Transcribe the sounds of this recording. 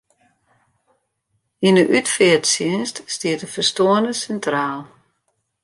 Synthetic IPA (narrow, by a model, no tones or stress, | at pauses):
inəʔytfɪətsɪənststiətəfərstoənəsɛntraːlˠ